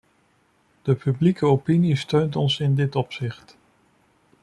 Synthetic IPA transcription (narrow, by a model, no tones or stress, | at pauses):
d̥əpyblikəopinistøɥntɔnsɪndɪtɔpsɪχt